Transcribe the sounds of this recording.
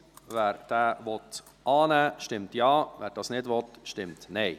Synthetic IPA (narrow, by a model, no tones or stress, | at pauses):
væːɾd̥æːʋɔt | ʔɑːnæːʃtɪmtjɑːʋæːɾd̥ɑːsnɪdʋɔtʃtɪmtnɛɪ